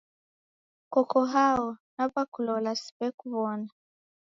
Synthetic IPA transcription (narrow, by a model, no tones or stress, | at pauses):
kɔkɔɦaɔnapakulɔlasi̥pɛkuβɔna